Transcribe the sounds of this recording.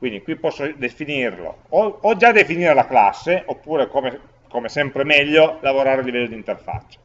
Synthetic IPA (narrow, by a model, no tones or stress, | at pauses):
kwind̪ikwipːɔsːod̪efinirlo̰ː | d͡ʒad̪efiniːɾelakla̰sːeʔopːuːɾekome | komesɛmpɾemɛʎːolavoɾaːɾelːivɛlːod̪int̪erfa̰t͡ʃːo̥